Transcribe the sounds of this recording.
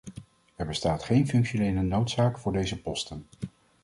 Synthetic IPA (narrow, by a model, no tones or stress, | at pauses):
ɛɹbəstaːtχejnfɵŋkʃonejlənowtsaːkfʊːɹdejzəpɔstən